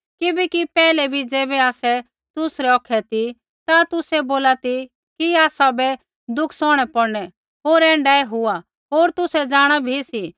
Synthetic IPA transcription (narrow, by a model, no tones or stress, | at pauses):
kɪbɛkipɛːlɛbʱid͡zɛːbɛaːsɛ | t̪ʊsɾɛɔkʰɛt̪i | t̪at̪ʊsɛboːlat̪i | kiaːsabɛ | d̪ʊkʰsɔ̃ːɽ̃ɛpɔɽnɛ | ɦoːɾɛ̃ːɳɖaːɛɦʊa | ɦoːɾt̪ʊsɛd͡zaːɽ̃abʱisi